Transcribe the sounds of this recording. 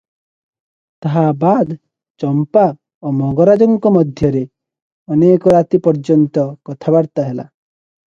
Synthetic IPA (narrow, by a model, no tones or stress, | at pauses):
t̪aɦabad̪ | t͡ʃɔmpa | omɔɡɔɾad͡ʒɔŋkɔmɔd̪ʱjɔɾe | ɔnekɔɾat̪ipɔɾd͡ʒɔnt̪ɔkɔt̪ʰabaɾt̪aɦela̰